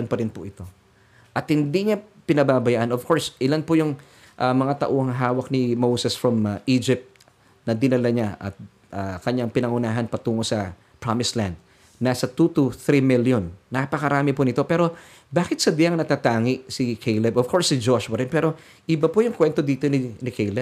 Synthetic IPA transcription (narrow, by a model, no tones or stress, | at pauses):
npɐɾɪnpʊʔɪt̪o̞ | ʔɐt̪hɪnd̪iɲapɪnɐbaːbɐjaʔɐnovkʰo̞ɹsʔɪlanpʊjʊŋ | ʔɐmɐŋat̪ɐ̰ʔohɐŋɦaːwɐk̚nɪmowsɛsfɹɐmʔid͡ʒɪp̚t̪̚ | nɐd̪ɪnɐlɐɲaʔɐ̰t̪̚ | ʔakɐɲaŋpɪnɐŋʊnaːɦɐnpɐt̪uːŋosɐ | pɹamɪsland̪̚ | nasɐt̪ut̪uθɾimiljonːɐpɐkɐɾaːmɪpʊnɪt̪o̞pɛːɾo̞ | baːkɪt̪̚sɐd̪ɪjɐŋnɐt̪aːt̪aːŋɪʔsikʰejlɛbʔov̥kʰo̞ɹsːɪd͡ʒoʃʊwɐɾɪnpɛːɾo̞ | ʔɪbɐpojʊŋkwɛnt̪o̞d̪iːt̪o̞nɪnɪkejlɛb̚